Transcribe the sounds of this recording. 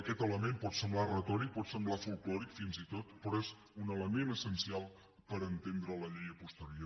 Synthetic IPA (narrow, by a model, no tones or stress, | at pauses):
əkɛt̪ələmempɔt̪səmblarət̪ɔɾik̚pɔt̪səmblafulˠklɔɾikfinzit̪ot̪pɾɔɛz | unələmenəsənsialˠ | pəɾənt̪end̪ɾələʎejəpust̪əɾio